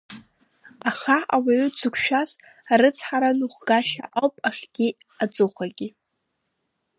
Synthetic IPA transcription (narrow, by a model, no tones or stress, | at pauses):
aχaawaɥʏt͡sʷʰɨkʷʰʃᶣaz | aɾɨt͡sʰħaɾanuχʷɡaʃa̰ʔowpʼaχʲɡ̥ʲi | at͡sʼʊχʷaɡʲi